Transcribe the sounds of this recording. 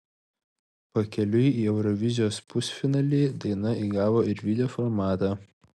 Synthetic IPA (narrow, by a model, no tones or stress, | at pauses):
pɐkʲɛlʲʊjiːɛʊɾɔʋʲɪzʲɪjoːspʊsʲfʲɪnɑːlʲeːd̪ɐɪnɐiːɡɑːʋoːɪɾʋʲɪd̪ʲɛjoːfɔɾmɑːt̪ɑː